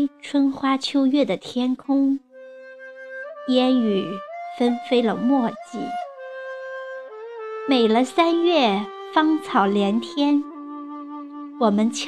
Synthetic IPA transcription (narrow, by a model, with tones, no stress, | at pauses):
ʈ͡ʂʰwə˥nxwa˥t͡ɕʰjo˥ʊɥɛ˥˩d̪ə˩t̪ʰjɛ˥nkʰʊ˥ŋ | jɛ˥ny˨˩fə˥nfe˥ɪlə˨mwɔ˥˧t͡ɕḭ˥˩ | me˨˩ɪlə˦sa˥nɥɛ˥˩ | fɑ˥ŋt͡sʰɑ˨˩ʊljɛ˧˥nt̪ʰjɛ˥n | wɔ˨˩mə˦nt͡ɕʰ